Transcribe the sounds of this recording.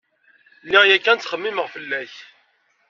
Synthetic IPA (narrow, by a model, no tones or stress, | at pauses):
lːijækːænt͡sːχəmːiməʁfəlːæç